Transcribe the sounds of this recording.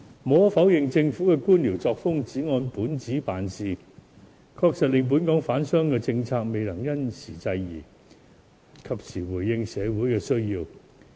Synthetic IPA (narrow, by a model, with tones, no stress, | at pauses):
mɔː˨˥fɐ˨˥wjɪ˨ŋt͡sɪ˧ŋfuː˨˥kɛː˧kuː˥nliː˨˩wt͡sɔː˧k̚fʊ˥ŋt͡siː˨˥ŋɔː˧npuː˨˥nt͡siː˨˥paː˨nsiː˨˧ | kʰɔː˧k̚sɐ˨t̚lɪ˧ŋp̬uː˨˥nkɔː˨˥ŋfaː˨˥nsœː˥ŋkɛː˧t͡sɪ˧ŋt͡sʰaː˧k̚me˨˧jlɐ˨˩ŋjɐ˥nsiː˨˩t͡sɐ˧jjḭː˨˩ | kʰɐ˨p̚sʰiː˨˩wuː˨˩jːɪ˧ŋsɛː˨˧wuː˨˥jkɛː˧sɵ˥ɥjiː˧w